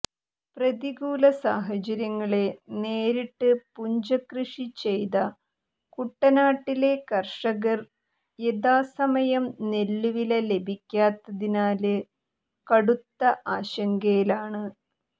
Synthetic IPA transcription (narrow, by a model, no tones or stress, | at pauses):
prɐðiɣuːlɐsaːɦɐt͡ɕɐɾjɐŋːɐɭe̞neːɾiʈːɨpuɲd͡ʑɐkrɨʂit͡ɕe̞jðɐ | kuʈːɐnaːʈːile̞kɐrʂɐɣɐr | jeðaːsɐmɐjɐmne̞lːuʋilɐle̞bʱikʲːaːt̪ːɐðinaːlɨ | kɐɽut̪ːɐʔaːɕɐŋɡɐjilaːɳɨ